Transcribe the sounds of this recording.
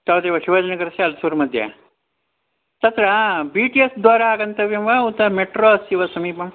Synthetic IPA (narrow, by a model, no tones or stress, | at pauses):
t̪ɐʋd̪eːʋɐʃuʋɐd͡ʒɐnɐɡɐɾɐsɐɐlsuːɾmɐd̪ʱjɐ̰ | t̪ɐt̪ɾɐbiʈijesd̪ʋaːɾaaːɡɐnt̪ɐʋjɐmʋɐut̪ːɐmeʈɾoːɐsiʋɐsɐmiːpɐm